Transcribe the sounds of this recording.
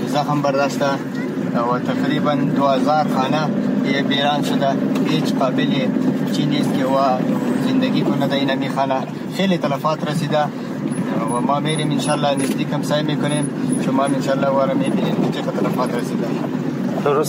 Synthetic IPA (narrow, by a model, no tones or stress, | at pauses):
zaxmbaɾd̪ast̪a | wat̪aqɾiband̪uazɑɾxɑnaebeɾɑnʃʊd̪aɦet͡ʃqɑːbɪlet͡ʃiniskewazɪnd̪aɡikʊnad̪ainamixɑna | xelet̪alafɑːt̪ɾasid̪a | wamɑmeɾemɪnʃɑlːɑnɪzd̪ikhamsɑjmekʊnemt͡ʃomɑmɪnʃɑlːɑwaɾamebinemk̪et͡ʃeqat̪alafɑːt̪ɾasid̪a | t̪ʊɾʊ